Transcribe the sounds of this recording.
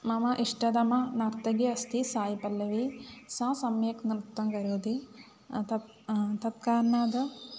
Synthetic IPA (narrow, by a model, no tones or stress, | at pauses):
mɐmɐʔiʂʈɐd̪ɐmɐnaːɾt̪ɐɡiɐst̪ʰisaːjipɐlːɐʋisãːsɐmjɐknɾt̪ːɐŋɡɐɾoːd̪i | t̪ɐ | t̪ɐt̪̚kaːɾnːaːd̪ɐ